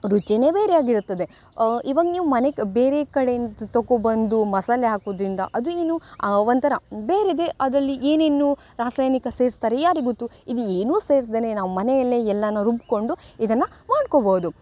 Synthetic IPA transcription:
ɾut͡ʃine̞ːbeːɾejaːɡiɾut̪ːɐd̪e̞ | iʋaːɡɐniːʋumɐnekbe̞ːɾekɐɽenut̪oɡobɐnd̪umɐsalːeɦaːkuʋd̪ɾind̪ɐ̰ʔɐd̪ueːnuʋɐnt̪ɐɾɐbeːɾed̪e̞ʔɐd̪ɾɐlːiʔeːnenːu | ɾaːsajnikɐseːɾist̪aːɾejaːɾiɡut̪ːuid̪ueːnuːse̞ːɾis̬d̪eːnenaːʋumɐnɛjɐlːeːɛlːɐnɐɾubko̞ɳɖuid̪ɐnːɐmaːɖkobɐɦud̪u

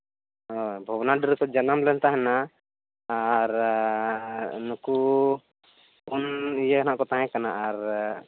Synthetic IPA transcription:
ɔbʱɔwnaɖəɾkɔd͡ʒanamlɛnt̪aɦɛna | aɾ | nuku | unijəkanaʔkɔt̪ãɦɛ̃kanaʔaɾ

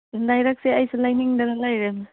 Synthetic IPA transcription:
lajɾak̚seajsalajniŋdanalajɾem

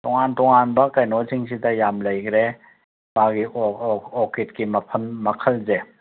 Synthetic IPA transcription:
tɔŋantɔŋanbɐkɐjnosʰiŋsʰitɐjamlɐjkʰɾe | baɡiʔɔketkimɐpʰɐnmɐkʰəlze

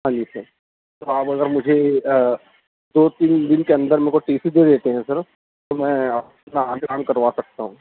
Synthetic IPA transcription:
ɦãːɲd͡ʒisɐɾ | t̪oaːpɐɡəɾmʊd͡ʒʱe | d̪oːt̪iːnd̪ɪnkeɐ̃nd̪əɾmɛ̃koʈiːsid̪ed̪eːt̪eɦɛ̃sɐɾ | t̪omɛ̃ːɐ | naaːnkaːmkɐɾʋasɐk̚t̪aɦũː

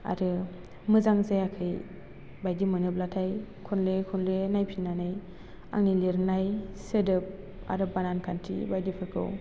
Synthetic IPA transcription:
a̰ɾɯ | mɯzaŋzajakʰɯj | bajdimɯnɯplatʰajkʰɔnlekʰɔnlenajpʰinːanaj | a̰ŋnileɾɯnajsɯdɯp̚ | a̰ɾɯbanankʰantʰḭbajdipʰɯkʰɯ̰w

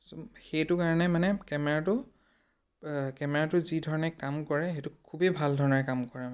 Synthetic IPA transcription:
soxejtʊkaɹɔnɛmanɛkɛmɛɹatʊ | kɛmɛɹatʊzidʱɔɹɔnɛkamkɔɹɛxejtʊkʰubibʱaldʱɔɹɔnɔɹɛkamkɔɹɛ

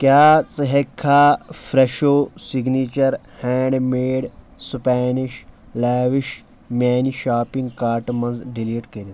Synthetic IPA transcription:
kjaːt͡sɐɦekʰːaːfʰɾeʃoːsiɡniːt͡ʃɐɾ | hɛːɳɖmeːɽ | spɛːniʃ | laːʋiʃ | mʲaːniʃaːpĩŋɡkaːɾʈmɐ̃nzɖiliːʈkeɾi

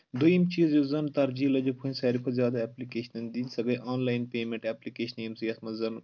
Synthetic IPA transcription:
d̪oimt͡ʃiːzjozɐnt̪ɐɾd͡ʒiːlɐd͡ʒopʰunʲsɐːɾipʰɐzjaːd̪aɛːplikeːʃɐnɐnd̪inʲsɐɡɐjʔaːnlaːjnpeːmẽɳʈɛːplikeːʃɐnimsjɐsmɐzɐn

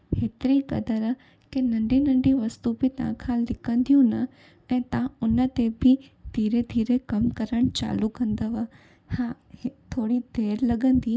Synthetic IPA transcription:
het̪ɾikə̰d̪əɾə | kenəɳɖinəɳɖĩʋəst̪upit̪ã̰kʰãlɪkə̃nd̪ijũnə | ẽt̪ãʊnət̪ebʱid̪̥ʱiɾed̪ʱiːɾekəmkəɾəɳ̃t͡ʃa̰ːlukə̃nd̪əʋa | hã | t̪ʰoːɽid̪ʱeːɾləɡənd̪i

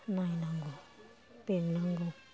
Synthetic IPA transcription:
nainaŋɡo | peminaŋɡo

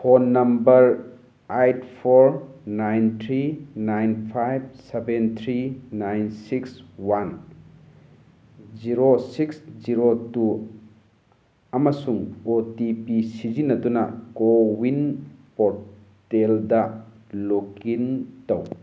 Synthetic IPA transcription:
pʰonːɐmbɐɾ | ajtpʰoɾnajnt̪ʰɾinajnpʰajb̚sebent̪ʰɾinajnsikswan | ziɾosiksziɾotu | ɐmɐsuŋotipisizinɐdunɐkowinpoɾ | teldɐ | lokintɐw

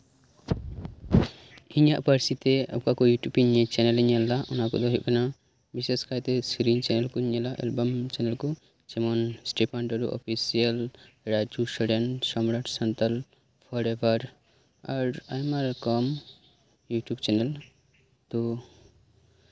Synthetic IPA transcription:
iɲaʔpəɾsit̪ɛa̰pkakɔjuʈjubiɲet͡ʃɛnɛliɲalaʔunakɔ̰d̪ɔɦiʔkana | biseskajt̪ɛsɾiɲt͡ʃɛnɛlkɔiɲalaʔɛ̰lbɔmt͡ʃɛnɛlkɔ | t͡ʃɛmɔnsʈepʰaɳʈɔɾṵʔɔ̰pʰisiəl | ɾad͡ʒusɔɖɛɳsɔmɾaʈsant̪al | pʰɔɾebaɾ | aɾa̰jmaɾkɔm | juʈjubt͡ʃɛnɛl | t̪ɔ

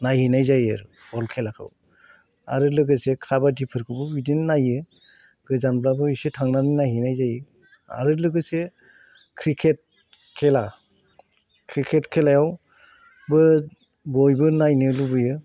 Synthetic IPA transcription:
najhinajzajaɾu | bɔlkʰelakʰɯ̰w | a̰ɾɯlɯɡɯsekʰabadipʰɯɾkʰɯbɯbidinnajɯ | ɡɯzanblabɯisetʰaŋnaninajɦinajzajɯ | a̰ɾɯlɯɡɯse | kʰɾikʰet̚ | kʰela | kʰɾikʰetkʰelajaw | bɯ | bɔjbɯnajnɯlubɯjɯ

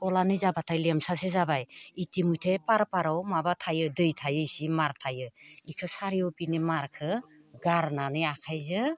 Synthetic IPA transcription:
kɔlanɯjzabatʰajlemsasizabajitimujtʰepaɾpaɾawmabatʰajɯdɯjtʰajɯjsimaɾtʰajɯikʰɯsaɾijɔwpinimaɾkʰɯ | ɡaɾnanɯjakʰajzɯ

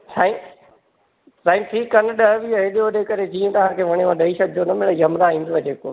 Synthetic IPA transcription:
sãːĩ | saːĩmʈʰiːkːɐnɗɐɦʋiɦeɗioɗekɐɾed͡ʑĩːẽt̪ɐɦãkʰeːʋɐɽ̃eʋãɗɐiʃɐk̚d͡ʑoːnɐmẽɽɐjɐmɾaɦĩːn̆d̪oʋɐd͡ʑeːkoː

